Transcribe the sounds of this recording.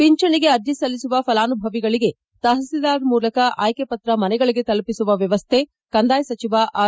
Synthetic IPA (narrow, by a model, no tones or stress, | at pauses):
piɲt͡ʃɐɳiɡe̞ɐɾd̪ʱisɐlːisuʋɐpɐlaːnubʱɐʋiɡɐɭiɡe̞ | t̪ɐɦɐsid̪aːɾmuːlɐkɐʔaːjkepɐt̪ɾɐmɐnɛɡɐɭiɡe̞t̪ɐlpisuʋɐʋjɐʋɐst̪ʰe | kɐnd̪aːjsɐt͡ʃiʋaʔaː